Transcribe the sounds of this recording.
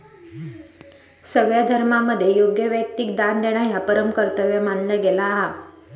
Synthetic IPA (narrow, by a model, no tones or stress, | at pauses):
səɡɭjad̪ʱəɾmaməd̪ʱːjejoɡjəʋjək̚t̪ik̚d̪and̪eɽ̃ajapəɾəmkəɾt̪əʋjəmanləɡelaːɦa